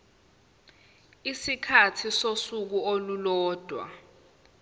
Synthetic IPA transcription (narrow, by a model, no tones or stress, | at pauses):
isikʰatʰisosuk̬uolulɔːd̥ʱwa̰